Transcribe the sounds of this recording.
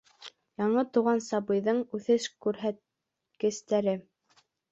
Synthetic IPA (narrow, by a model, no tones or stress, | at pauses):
jɑɴɤt̪uʁɑnsɑβɤ̆jðɤɴʉθɘʃkʉɾɦæt̪̚ | kɘ̆st̪æɾɘ